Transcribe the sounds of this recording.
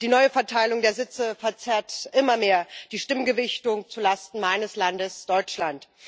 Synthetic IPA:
d̥iːnɔʏəfɛɐtʰaɪlʊŋdeːɐzɪt͡səfɛɐt͡sɛɐtʔɪmɐmeːɐd̥iːʃtɪmɡəvɪçtʊŋt͡sulastn̩maɪnəslandəsd̥ɔʏt͡ʃlant

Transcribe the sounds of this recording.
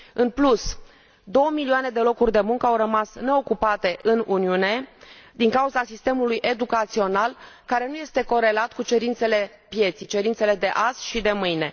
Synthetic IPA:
ɨnplus | d̪o̞wəmilioane̞d̪e̞lo̞kurʲd̪e̞muŋkəawɾəmasne̞o̞kupat̪e̞ʔɨnuniune̞d̪iŋkauzasist̪e̞mulujʔe̞d̪ukat̪sio̞nalkaɾe̞nuje̞st̪e̞ko̞ɾe̞lat̪kut͡ʃe̞ɾint̪se̞le̞ | pje̞t̪sijt͡ʃe̞ɾint̪se̞le̞d̪e̞ʔazʃid̪e̞mɨjne̞

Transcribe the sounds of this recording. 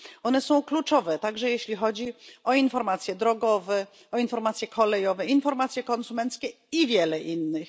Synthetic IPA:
ɔnɛsɔ̃w̃klut͡ʂɔvɛt̪aɡʐɛjeɕlʲixɔd͡ʑiɔinfɔɾmat̪sʲjɛd̪ɾɔɡɔvɛ | ɔinfɔɾmat̪sʲjɛkʰɔlɛjɔvɛinfɔɾmat̪sʲjɛkɔnsumɛnt̪skʲɛ | ivʲjɛlɛʔinːɘx

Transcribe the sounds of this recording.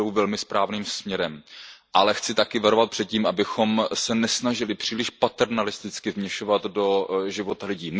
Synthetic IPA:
owvɛlmɪspɾaːvniːmsmɲɛɾɛmʔalɛxt͡sɪt̪akɪvaɾovat̪̚pr̥ɛt̪̚ciːmʔabɪxo̞msɛnɛsnaʒɪlɪpr̝̥iːlɪʃpat̪ɛɾnalɪst̪ɪt͡skɪvmɲɛʃovat̪do̞ʒɪvo̞t̪alɪɟiːm

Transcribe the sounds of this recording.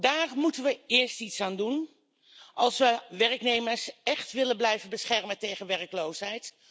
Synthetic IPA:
daːrmutənʋəɪːɹstitsaːndun | ʔɑlˠsʋəʋɛrəknejməɹsɛχtʋɪlənblɛjvənbəsχɛɹməntejχənʋɛrəklowsɦɛjt

